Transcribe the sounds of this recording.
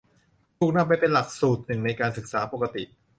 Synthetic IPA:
t̪ʰuː˨˩k̚na˧˩pa˧jpe˧nla˨˩k̚suː˨˩t̪̚nɯ˨˩ŋna˧jkaː˧nsɯ˨˩k̚saː˩˦po˨˧˩ka˧t̪ḭ˨˩ʔ

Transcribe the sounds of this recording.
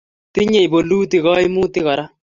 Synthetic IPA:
tɪ˦ɲe˨i˨bo˨lu˦tɪ˨ɣɔ˦i˦mu˦tɪ˦ɣɔ˨ɾa˦

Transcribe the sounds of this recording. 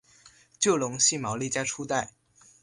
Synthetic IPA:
t͡ɕjo˥˩ʊlʊ˧˥ŋɕi˥˩mɑ˧˥ʊli˥˩t͡ɕja˥ʈ͡ʂʰu˥t̪a˥˩ɪ

